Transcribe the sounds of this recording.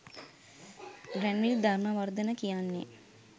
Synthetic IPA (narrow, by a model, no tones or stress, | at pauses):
ɡɾɛnʋild̪ʱaɾnaʋard̪ənəkijanːḛ